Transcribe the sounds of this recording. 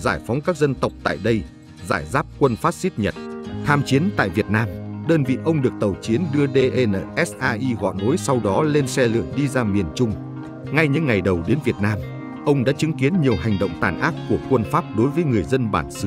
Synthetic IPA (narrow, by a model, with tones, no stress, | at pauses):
zaː˧˩jfɔ˨˦wŋ͡mkaː˦˥k̚zə˧nt̪ə˨˩wk͡p̚t̪a̰ː˧˨jɗə˧j | zaː˧˩jzaː˦˥p̚kwə˧nfaː˦˥p̚si˦˥t̚ɲə˨˩t̚t̪ʰaː˧mt͡ɕi˨˦ənt̪a̰ː˧˨jvi˨˩ət̚naː˧mɗəː˧nvḭ˧˨ʔə˧wŋ͡mɗɨ˨˩ək̚t̪ə˨˩wt͡ɕi˨˦ənɗɨ˧əɗe˧ʔe˧nə̰ː˧˨˩ʔɛ˦˥sʔaː˧ʔi˧ɣɔ̰˧˨no˨˦jsa˧wɗɔ˨˦le˧nsɛ˧lɨ̰˧˨əŋɗi˧zaː˧mi˨˩ənt͡ɕʊ˧ŋ͡m | ŋa˧jɲɨ̰˧˥ŋːa˨˩jɗə˨˩wɗe˨˦nvi˨˩ət̚naː˧m | ʔə˧wŋ͡mɗa̰ː˧˥t͡ɕɨ˨˦ŋki˨˦ənɲi˨˩əwɦa˨˩jŋ̟ɗo̰˧˨wŋ͡mt̪aː˧˨˩nʔaː˦˥t̚ku˧˩əkwə˧nfaː˦˥p̚ɗo˨˦jvəː˨˦jŋɨ˨˩əjzə˧nɓa̰ː˧˩nsɨ˨˦